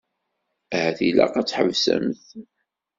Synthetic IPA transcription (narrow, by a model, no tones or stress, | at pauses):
æhæθilæ̰qɑt͡sːħəvsə̰mθ